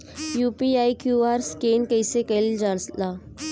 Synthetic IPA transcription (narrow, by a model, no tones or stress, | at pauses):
juːpiaːikjuːaːɾskeːnkəɪsekɐld͡ʒəɽslaː